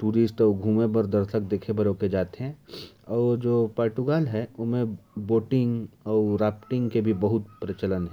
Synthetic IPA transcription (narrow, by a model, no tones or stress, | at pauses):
ʈuːɾɪsʈɔːɾɡʱuːmebəɾd̪ɐɾsək̚d̪eːkʰebɐɾoːked͡ʒaːt̪eɦɛ̃ɔːd͡ʒoːpaːɾʈuɡaːlɦɛʊmẽboːʈɪ̃ŋɡɔːɾaːpʈɪ̃ŋɡkebʱibɐɦʊt̪̚pɾɪt͡ʃələnɦɛ̃